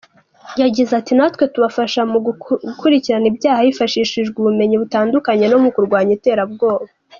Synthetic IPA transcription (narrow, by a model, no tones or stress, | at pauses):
jaɟizatinatwe̞tuβafaʃamukuɾiciɾanibjaːhajifaʃiːʃiʒɡuβume̞ɲiβutaːndukaɲe̞no̞mukuɾɡwaːɲite̞ːɾabɡo̞ːβa